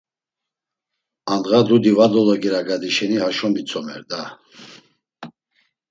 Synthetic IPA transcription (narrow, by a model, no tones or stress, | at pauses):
and̪ʁad̪ud̪ivad̪ɔlɔɡiɾaɡad̪iʃɛnihaʃɔmit͡sʰʼɔmɛ̰ɾd̪a